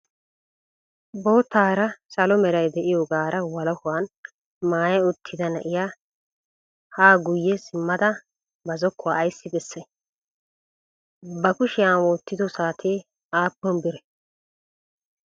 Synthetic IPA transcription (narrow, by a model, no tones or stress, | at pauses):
bo̞ːt̪ːaːɾɐsɐlɔmɛɾɐjd̪ɛʔɪjɔɡaːɾʔɐwɐlɔkʊwaːn | maːjɐʊt̪ʰːɪd̪ɐnɐʔɪjaː | haːɡʊjːɛsɪmːɐd̪ɐ | bɐzɔkʰːʊwaːjsːɪbɛsːɛ | bɐkʊʃɪjaːwoːt̪ːɪd̪ɔsaːt̪ʰeː | aːpːɔnbɪɾɛ